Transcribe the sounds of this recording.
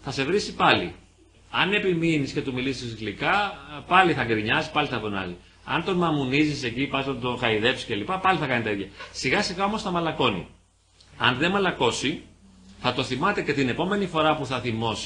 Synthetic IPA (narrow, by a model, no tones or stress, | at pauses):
θɐse̞vɾisipɐlḭ | ɐne̞piminisce̞t̪umilisislikɐpɐliθɐɡɾiɲɐzipɐliθɐvonɐ̰zi | ɐnt̪o̞nmɐmunizise̞cipɐznɐt̪o̞xɐiðe̞psi̥ce̞lipɐpɐliθɐkɐnit̪ɐit̪çɐsiɣɐsiɣɐo̞mo̞sθɐmɐlɐko̞nḭ | ɐnðe̞mɐlɐko̞si | θɐt̪o̞θimɐt̪e̞ce̞t̪ine̞po̞me̞nifo̞ɾɐpuθɐθimo̞s